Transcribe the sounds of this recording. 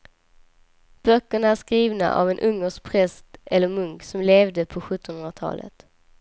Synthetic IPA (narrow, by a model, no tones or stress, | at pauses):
b̥œkːəɳaæʂkɾiːvna̰ʔa̰vɛnʔɵŋːəʂk̚pʰɾɛst̪ɛlːəɾmɵŋksɔmleːvd̪əpʰɔɧɵt̪ːɔnhɵnɾat̪ʰɑ̰ːlə̰t̪